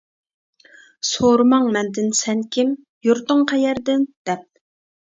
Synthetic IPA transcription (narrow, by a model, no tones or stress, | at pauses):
soɾmɑŋmɛnd̪ɪnsɛnkʲʰim | juɾt̪ʊŋqʰɛjɛɾd̪ɪnd̪̥ɛp̚